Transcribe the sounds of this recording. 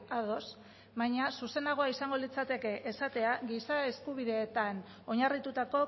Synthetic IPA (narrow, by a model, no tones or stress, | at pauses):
aðo̞s | βaɲasuse̞naɣ̞o̞aisaŋɡo̞lit͡sat̪e̞ke̞ʔesat̪e̞aɣisae̞skuβ̞iðe̞ːt̪an | o̞ɲarit̪ut̪ako̞